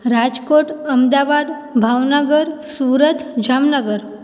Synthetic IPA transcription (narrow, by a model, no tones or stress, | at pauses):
ɾad͡ʒkoʈəmd̪abad̪ | bʱaʋnəɡəɾsuːɾət̪ʰd͡ʑamnəɡəɾ